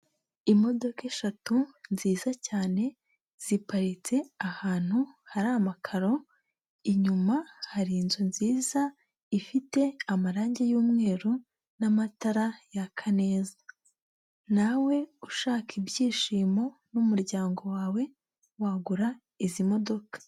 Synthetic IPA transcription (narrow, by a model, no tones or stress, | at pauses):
imo̞do̞ke̞ʃatunziːzacaːne̞ | z̥ipaɾit͡se̞ahaːn̥huhaɾamakʰaɾo̞ | iɲumahaɾinzunziːz̥a | ifite̞amaɾaːɲɟejuːmŋe̞ːɾu | namataɾajakʰane̞ːza | nawe̞uʃaːkʰibɟiːʃiːmo̞numuɾɟaːŋɡo̞waːwe̞ | waɡuɾa | izimo̞do̞kḁ